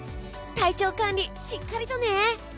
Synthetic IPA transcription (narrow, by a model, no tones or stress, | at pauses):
t̪ait͡ɕokaɲːiɕikʰːaɾʲit̪one